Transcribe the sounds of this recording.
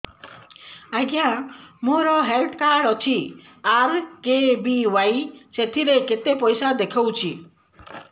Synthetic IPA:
aɡjamoɾɔɦelʈkaɖɔt͡ʃʰi | aɾkebiwajset̪ʰiɾeket̪epɔjsad̪ekʰəwt͡ʃʰi

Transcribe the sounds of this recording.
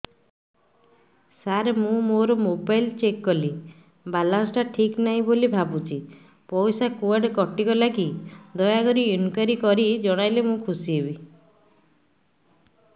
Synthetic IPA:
saɾmũmoɾɔmobajlt͡ʃekːɔli | balasʈaʈʰiknaɦĩbolibʱabut͡ʃʰi | pɔwsakuaɖkɔʈikɔlakid̪ɔjaɡɔɾiunkaɾikɔɾid͡ʒɔɽ̃ajlemũkʰusiebi

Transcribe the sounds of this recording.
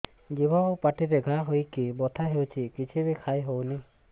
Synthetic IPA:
ɡibaopaʈiɾeɡʱaɦojkibɔt̪ʰaɦewt͡ʃʰikit͡ʃʰiβekʰajɦowni

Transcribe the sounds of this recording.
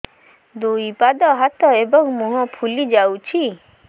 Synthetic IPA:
d̪uipad̪ɔɦat̪ɔebɔŋmũɦɔ̃pʰulid͡ʒawt͡ʃʰi

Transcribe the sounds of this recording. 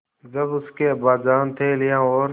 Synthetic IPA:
d͡ʒəbʊskeːbaːd͡ʒaːnt̪ʰeːlɪjãːoːɾ

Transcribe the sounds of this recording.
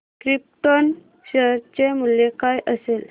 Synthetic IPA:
kɾip̚ʈon | ɕəɾt͡ɕemuljekajʔəsel

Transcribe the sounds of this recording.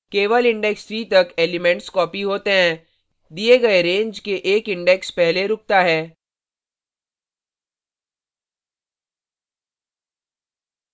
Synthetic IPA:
keːʋəlɪ̃ɳɖɛksɾiːt̪ɐkeːlɪmɛ̃ɳʈskɔːpiɦoːt̪eɦɛ̃ː | d̪ieɡɐeɾẽːɲd͡ʒkeʔeːkɪ̃ɳɖɛkspɛɦleɾʊk̚t̪aɦɛː

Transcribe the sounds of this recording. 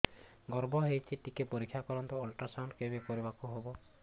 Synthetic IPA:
ɡɔɾbʱɔɦejt͡ʃʰiʈikepoɾikʰːjakɔɾɔnt̪uɔlʈasawɳɖkebekoɾibakuɦobɔ

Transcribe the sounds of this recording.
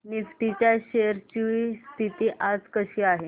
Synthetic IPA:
nisʈit͡ɕjaɕejəɾt͡ɕiʋist̪ʰit̪iːʔad͡zkəɕiːaɦe

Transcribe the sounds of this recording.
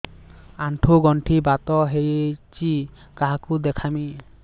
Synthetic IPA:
anʈʰuɡɔɳʈʰibat̪ɔɦejt͡ʃi | kaɦakud̪ɛkʰami

